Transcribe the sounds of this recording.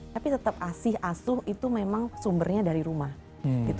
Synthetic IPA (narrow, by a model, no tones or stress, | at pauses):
apit̪ət̪əp̚asɪhasʊhit̪umemaŋsumbərɲadaɾiɾumah | ɡit̪